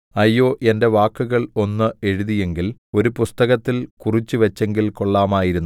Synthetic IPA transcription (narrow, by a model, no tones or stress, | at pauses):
ɐjːo̞ːʔe̞nde̞ʋaːkːuɣɐɭo̞nːɨe̞ɻuðije̞ŋɡilo̞ɾupust̪ɐɣɐt̪ːilkurit͡ɕːuʋɐt͡ɕːe̞ŋɡilko̞ɭːaːmaːjiɾunː